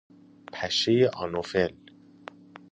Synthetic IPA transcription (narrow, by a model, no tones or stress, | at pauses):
pʰæʃejeʔɑ̰nofel